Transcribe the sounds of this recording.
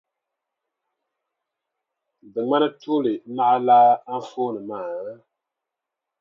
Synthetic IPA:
bɨ˨ma˦na˦tu˦lɨ˨ma˦ʔa˦laː˦a˦n˦foː˦nɨ˨maː˨˦

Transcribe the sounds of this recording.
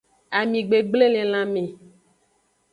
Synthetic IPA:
a˨mĩ˨ɡ͡be˨ɡ͡ble˦lẽ˨l̃ã˦mẽ˨

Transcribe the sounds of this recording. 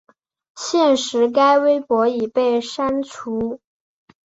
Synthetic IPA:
ɕjɛ˥˩nʂɻ̩˧˥k̬a˥ɪwe˥ɪpwɔ˧˥i˨˩pe˥˩ɪʂa˥nʈ͡ʂʰu˧˥

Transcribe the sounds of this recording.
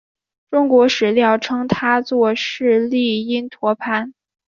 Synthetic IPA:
ʈ͡ʂʊ˥ŋkwɔ˧˥ʂɻ̩˨˩ljɑ˥˩ʊʈ͡ʂʰɤ˥ŋt̪ʰa˥t͡swɔ˥˧ʂɻ̩˥˧li˥˩i˥nt̪ʰwɔ˧˥pʰa˥˩n

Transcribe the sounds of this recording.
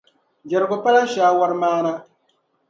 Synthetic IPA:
d͡ʒɛ˨ɾɨ˨ɡʊ˨pa˦la˦ʃaː˦wa˦ɾmaː˦na˦

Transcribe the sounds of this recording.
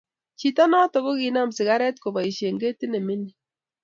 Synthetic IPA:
t͡ʃi˦tɔ˦nɔ˦tɔ˨ɣo˦ki˨na˦˨msɪ˨ɣa˦ɾɛ˦tko˨ba˨i˨ʃje˨ŋɡe˦ti˦nɛ˨mi˦ni˨

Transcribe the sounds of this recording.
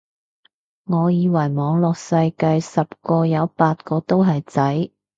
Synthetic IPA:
ŋɔː˨˧jiː˨˧wɐ˨˩jmɔː˨˧ŋlɔː˨k̚sɐ˧jkɐ˧jsɐ˨p̚kɔː˧jɐ˨˧wpaː˧t̚kɔː˧t̪o˥wɦɐ˨jt͡sɐ˨˥j

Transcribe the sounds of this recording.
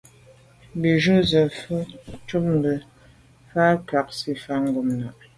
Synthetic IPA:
bi˨ʒu˦zə˨fə˦t͡ʃu˦p̚m̩˨bə˨ | fa˦ka˨k̚si˦fa˦ŋ˦ɡo˨mna˨ʔ

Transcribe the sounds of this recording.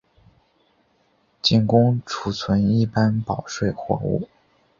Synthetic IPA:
t͡ɕi˥˩nkʊ˥ŋʈ͡ʂʰu˧˥˩t͡sʰwə˧˥ni˥˩pa˥npɑ˨˩ʊʂwe˥˩ɪxwɔ̰˧˥ṵ˥˩

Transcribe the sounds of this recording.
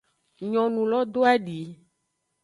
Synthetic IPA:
ɲɔ̃˨nũ˨lɔ˦d̪o˦a˦ɖi˨˦

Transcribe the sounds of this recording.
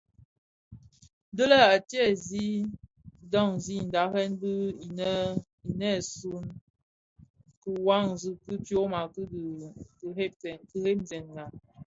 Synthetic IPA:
də˦lə˦a˨tjɛ˦˨zi˦ | dɔ˦˨ŋzi˦˨n̩˨da˨˦hɛ˦nbi˦˨˦ | i˨nɛ˦˨su˦n | ku˨wa˦ŋzu˨kɨ˦tjo˦ma˨kɨ˦dkhe˦tɛ˨nki˨he˦mzɛ˨nŋa˨

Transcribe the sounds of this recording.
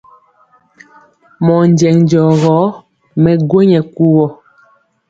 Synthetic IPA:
mɔ˨n˦d͡ʒɛ˨ŋn˨d͡ʒɔ˨ɣɔ˨˦ | mɛ˨ɡwe˦ɲɛ˨ku˦ɣɔ˨

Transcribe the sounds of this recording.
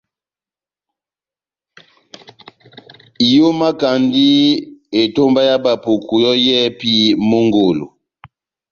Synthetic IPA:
i˨jo˦ma˦ka˨ndi˦e˨to˦mba˦ja˦ba˨po˨ku˨jɔ˦jɛ˦pi˦mo˦ŋɡo˨lo̰˨

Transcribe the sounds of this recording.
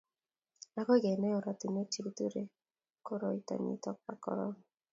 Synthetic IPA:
a˦kɔ˦ɡɛ˨nɛ˦o˨ɾa˨t̪u˨ne˦ti˦ki˦t̪u˦ɾe˦ | ko˦ɾo˨i˨ta̰˨ɲḭ˨tɔ˦k̚pa˨kɔ̰˨˦ɾɔ̰˦ŋ

